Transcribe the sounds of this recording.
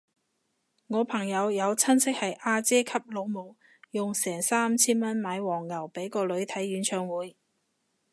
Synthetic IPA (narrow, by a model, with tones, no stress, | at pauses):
ŋɔː˨˧pʰɐ˨˩ŋjɐ˨˧wjɐ˨˧wt͡sʰɐ˥nsɪ˥k̚hɐ˨jʔaː˧t͡sɛː˥kʰɐ˥p̚lo˨˧wmo˨˧w | jʊ˨ŋsɛː˨˩ŋsaː˥mt͡sʰiː˥nmɐ˥nmaː˨˧jwɔː˨˩ŋːɐ˨˩wpe˨˥jkɔː˧lɵ˨˧ɥt̪ʰɐ˨˥jɥyː˨˥nt͡ʃʰœː˧ŋwuː˨˥j